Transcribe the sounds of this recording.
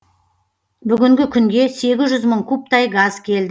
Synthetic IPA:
bʏɡʲɪŋɡʲɪkʲʰʏŋɡʲe̞se̞ɡʲɪzʒʏzməɴkʰup̚t̪ɑjɡɑz̥kʲʰe̞ld̪ɪ

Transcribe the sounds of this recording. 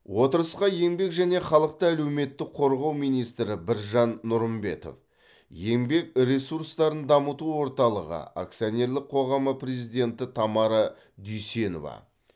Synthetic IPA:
wo̞t̪əɾəsqɑje̞ŋbe̞kʒæne̞χɑlˠəq̚t̪əælewme̞t̪ːɪk̚qʰo̞ɾʁɑwmijnijst̪ɾɪbɪɾʒɑnːʊɾəmbe̞̰t̪o̞̰f | je̞ŋbe̞kɾe̞suɾst̪ɑɾənd̪ɑmət̪uwo̞ɾt̪ɑlˠəʁə̰a̰k̚t̪sijone̞ɾlˠɪk̚qʰo̞ʁɑməpʰrʲezijd̪ʲe̞nt̪ɪt̪ʰɑmɑɾə | d̪ʏjse̞no̞̰vɑ̰

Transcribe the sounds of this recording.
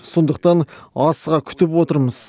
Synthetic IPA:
so̞nd̪əq̚t̪ɑnɑsʁɑkʲʰʏ̥t̪ɪpwo̞t̪əɾməz̥

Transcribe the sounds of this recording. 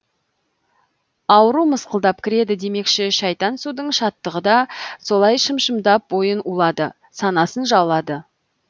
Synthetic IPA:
ɑwəɾuməsqəlˠd̪ɑpkʲʰɪɾe̞d̪ɪd̪e̞me̞kʃɪʃɑjt̪ɑnsud̪əɴʃɑt̪ːəʁəd̪ɑso̞lˠɑjʃəmʃəmd̪ɑp̚bo̞jənulˠɑd̪ə | sɑnɑsənʒɑwlˠɑd̪ə

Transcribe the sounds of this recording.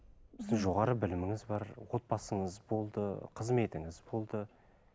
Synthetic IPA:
bɪzd̪ɪŋʒo̞ʁɑɾəbɪlɪmɪŋɪzbɑɾwo̞t̪̚pɑsəɴəzbo̞lˠd̪əqʰəzme̞t̪ɪŋɪzbo̞lˠd̪ə

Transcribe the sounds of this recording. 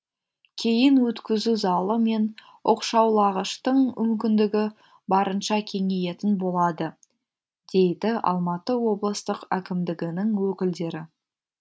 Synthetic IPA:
kʲʰe̞jɪnwɵt̪kʲɪzuzɑlˠəme̞n | o̰qʃɑwlˠɑʁəʃt̪əɴmʏmkʲɪnd̪ɪɡʲɪ | bɑɾənʃɑkʲʰe̞ŋeje̞t̪ɪnbo̞lˠɑd̪ə | d̪̥e̞jd̪ɪɑ̰lˠmɑt̪əwo̞blˠəst̪əqækʲɪmd̪ɪɡʲɪnɪŋwɵkʲɪld̪e̞ɾɪ

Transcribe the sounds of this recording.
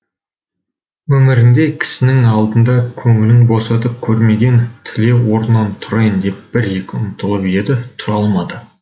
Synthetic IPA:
wɵmɪɾɪnd̪e̞kʲʰɪ̥sɪnɪŋɑlˠd̪ənd̪ɑkʲʰɵŋɪlɪŋbo̞sɑt̪əp̚kʲʰɵɾme̞ɡʲe̞nt̪ʰɪle̞wo̞ɾnːɑnt̪ʰʊɾɑjənd̪e̞p̚b̥ɪɾje̞kʲɪʊ̰nt̪əlˠəpe̞d̪ɪt̪ʰʊɾɑlˠmɑd̪ə

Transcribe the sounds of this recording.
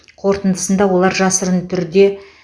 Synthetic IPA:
qʰo̞ɾt̪ənd̪əsənd̪ɑwo̞lˠɑɾʒɑsəɾənt̪ʰʏɾɪd̪e̞

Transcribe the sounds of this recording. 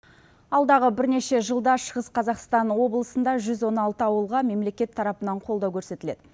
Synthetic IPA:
ɑlˠd̪ɑʁəbɪɾne̞ʃe̞ʒəlˠd̪ɑʃəʁəsqʰɑzɑqst̪ɑnwo̞blˠəsənd̪ɑʒʏzwo̞nɑlˠt̪əɑwəlˠʁɑme̞mle̞kʲe̞t̪ʰːɑɾɑpənɑɴqʰold̪ɑwkʲʰɵɾse̞t̪ɪle̞d̪ɪ

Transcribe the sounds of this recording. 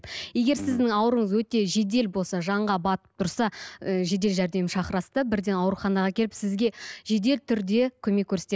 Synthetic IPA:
je̞ɡʲe̞ɾsɪzd̪ɪŋɑwəɾəɴəzwɵt̪e̞ʒe̞d̪e̞lbo̞lˠsɑʒɑɴʁɑbɑt̪ə̥p̚t̪ʰʊɾsɑəʒe̞d̪e̞lʒæɾd̪e̞mɪʃɑχəɾɑst̪əbɪɾd̪e̞nɑwəɾχɑnɑʁɑkʲʰe̞lɪpsɪzɡʲe̞ʒe̞d̪e̞lt̪ʰʏɾd̪e̞kʲʰɵme̞kʲʰːɵɾset̪e

